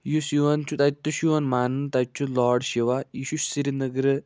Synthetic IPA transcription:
jusiʋɐnt͡ʃʰut̪ɐt̪ːuʃiʋɐnmaːnɨnt̪ɐt͡ʃʰːulɔːɖʃiʋaiʃuʃsiɾinɐɡɾɨ

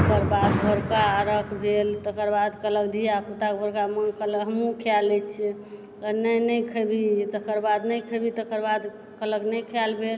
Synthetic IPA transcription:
kəɾbad̪bʱoɾkaɾəkbʱelt̪əkəɾbad̪kələkd̪ʱijakut̪akbʱoɾkaməkʰəlɦəmũkʰjalɛt͡ʃʰi | ənəjnəjkʰəbʱit̪əkəɾbad̪nəjkʰəbʱit̪əkəɾbad̪ | kələknəkʰjalbʱel

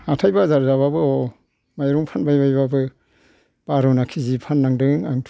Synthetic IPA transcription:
atʰajbazaɾzaβabɯɔ | majɾuŋpʰanbajbajbabɯ | b̥aɾɯwnakʰizipʰanːaŋdɯŋaŋtʰ

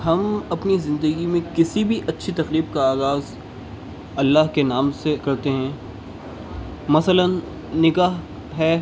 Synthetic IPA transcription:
ɦɐmɐpnizɪ̃nd̪əɡimẽkɪsibʱiʔɐtːʃʰit̪ɐqliːb̚kaaːɣaːz | ɐlːaɦkenaːmsekɐɾt̪eɦɛ̃ː | mɐsələnː | ɪɡaːɦ | ɦɛː

